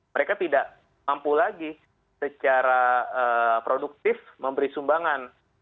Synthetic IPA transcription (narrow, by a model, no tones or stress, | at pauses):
məɾekat̪idaʔ | mampulaɡi | sət͡ʃaɾaəpɾoduk̚t̪ɪfməmbəɾisumbaŋan